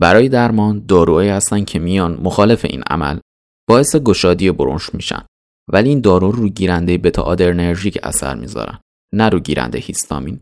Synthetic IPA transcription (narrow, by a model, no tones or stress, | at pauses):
bæɾɒːje̞d̪æɾmɒːnd̪ɒːɾuːhɒiːhæst̪ænd̪cʰemijɒːnmoxɒːle̞fe̞̰ʔḭːnʔæ̰mæ̰l | b̥ɒːe̞seɡo̞ʃɒːd̪ijeboɾo̰nʃmiːʃæ̰nd̪̥ | væliiːnd̪ɒːɾuːruːɟiːɾænd̪e̞jebe̞t̪ʰɒ̰ʔːd̪e̞ɾne̞ɾʒiːcʰæ̰sæ̰ɾmḭːzɒ̰ːɾæ̰n | næɾuːɟiːɾæ̰nd̪ḛhist̪ʰɒ̰ːmiːn